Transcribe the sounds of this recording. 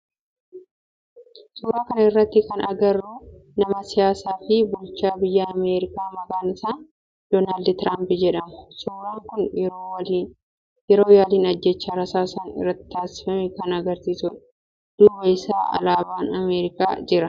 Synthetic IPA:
sʊɾaːkɐnɐɪrːɐt̪ːɪkɐnɐɡɐrːuːnɐmɐsɪjaːsaːfɪbʊlt͡ʃːaːbɪjːaːɐmeːɾɪkaːmɐkaːnɪsaːn | d̪̥oːnaːld̪t̪ɾʔaːmpɪd͡ʒɛᶑɐmʊ̥sʊːɾaːŋkʊnow | jɛɾoːjaːliːnɐd͡ʒːɛt͡ʃːaːɾɐsaːsaːnɪ̰rːɐt̪ːɪ̥t̪aːsɪ̥fɐmɛkɐnɐɡɐɾsiːsʊᶑ | d̪̥ʊbeɪsaːɐ̰laːbaːnɐmeːɾɪka̰ːd͡ʒɪɾɐ

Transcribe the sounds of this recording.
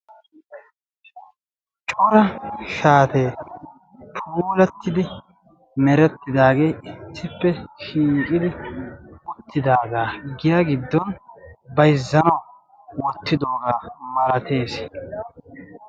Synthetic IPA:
t͡ʃʼɔɾɐʃaːt̪eː | tʰuːlɛt̪ːɪd̪ɪ | mɛɾɛt̪ːɪd̪aːɡe̞ːɪt̪ːɪpːɛʃiːkʼɪd̪ɪwɔt̪ːɪd̪aːɡaːɡɪjaɡɪd̪ːɔnbɐjzːɐnɐw | wɔt̪ːɪd̪oːɡaːmɐɾɐt̪ʰe̞ːs

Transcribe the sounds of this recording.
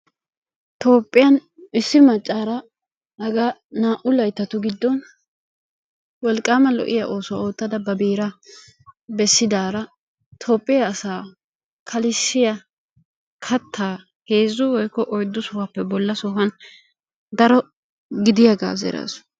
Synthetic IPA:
t̪o̞ːpʼːɪjɐn | ɪsːɪmɐt͡ʃʼːaːɾɐ | hɐɡaːnaːʔʊlɐjt̪ːɐt̪ʊɡɪd̪ːɔn | wɔlkʼːaːmɐlɔ̰ʔɪjaʔo̞ːsʊwa̰oːt̪ːɐd̪ɐbɐbiːɾɐ | bɛsːɪd̪aːɾɐ | t̪ʰo̞ːpʼːɪjaːsaː | kʰɐlɪʃːɪjɐ | kʰɐt̪ʰːaː | he̞ːzːʊwɔjkːɔʔɔjd̪ːʊsɔhɐpːɛbɔlːɐsɔɦɐn | d̪ɐɾɔ | ɡɪd̪ɪjaɡa̰ːzɛ̰ɾa̰ːsʊ̥

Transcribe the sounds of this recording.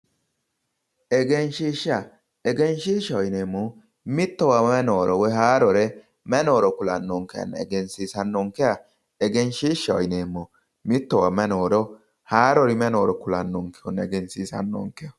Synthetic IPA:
ɛɡɛnʃiːʃa | ɛɡɛnʃiːʃːɐɔjnemːɔ | mɪt̪ːɔwamɛnoːɾɔwɔjɦaːɾɔɾɛ | mɛnoːɾɔkʊlɐnːɔŋkːɛja̰n̰ːɛ̰ɡɛnsiːsɐnːɔŋkːɛja | ɛɡɛnʃiːʃːaɔ̰jneːmːɔ | mɪt̪ːɔwamɛnoːɾɔ | haːɾɔɾɪmɛnoːɾɔkʊlɐnːɔŋkːɛjɔnɛɡɛnsiːsɐ̰nːɔ̰ŋkːɛjɐ

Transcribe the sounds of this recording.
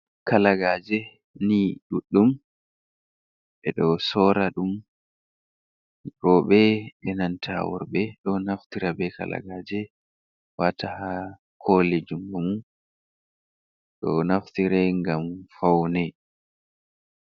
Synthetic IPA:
kalaɡad͡ʒɛ | niɗuɗːum | ɓɛɗɔsɔːɾaɗum | ɗɔɓɛɓɛnantʰa̰wɔ̰ɾbɛɗɔnaftiɾabɛka̰la̰ɡad͡ʒɛ | watʰaha | kʰoled͡ʒumɡumu | ɗɔnaftiɾɛŋɡamfawnɛ

